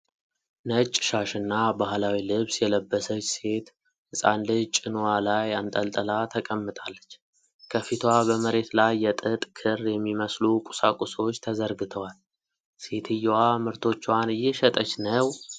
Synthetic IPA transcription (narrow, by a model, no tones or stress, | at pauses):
nət͡ʃʼːʃaʃɨnːabahlawilɨβsjɛləbːəsət͡ʃːse̞t̪ | hɨsʼa̰nlɨt͡ʃʼɪnuwalajant̪ʼəlt̪ʼəlat̪ʰəkʼəmːɨt̪ʼalːət͡ʃː | kʰəfit̪ʰwabəməɾe̞t̪lajːɛt̪ʼɨt̪ʼkʰɨɾjɛmːiməslukʼʊ̥sakʼuso̞t͡ʃːt̪ʰəzəɾɡɨt̪ʰəwal | se̞t̪ʰɨjːwamɨɾt̪ʰo̞t͡ʃːwanɨjːɪʃət̪ʼət͡ʃnəw